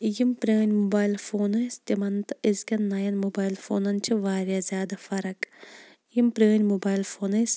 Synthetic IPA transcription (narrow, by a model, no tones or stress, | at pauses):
jimpɾeːnʲmobaːjlfoːnɨst̪imɐnt̪ɨizkʲɐnːɐjɐnmobaːjlfo̰ːnɐnt͡ʃʰɨʋaːɾjaːzʲjaːd̪ɐfɐɾɐk | jimpɾeːnʲmobaːjlfoːnɨs